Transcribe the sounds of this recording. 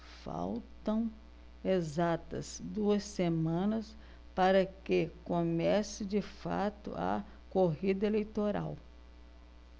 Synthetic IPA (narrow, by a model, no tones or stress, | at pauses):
fa̰wt̪ɐ̃w̃ | ezat̪ɐ̰zd̪uɐsːemɐ̃nɐs | paɾɐkɪkomɛsɪd͡ʒɪfa̰t̪ʊ̰ɐ̰ | koɦid̪ɐelejt̪oɾa̰w